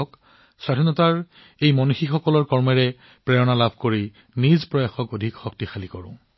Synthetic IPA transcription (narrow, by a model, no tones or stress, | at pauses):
ɔk | sɹadʱinɔtaɹ | ejmɔnuxixɔkɔlɔɹkɔɹmɛɹɛ | pɹɛɹɔnalabʱkoɹi | nizpɹɔjaxɔkodʱikxɔktixalikɔɹʊ̃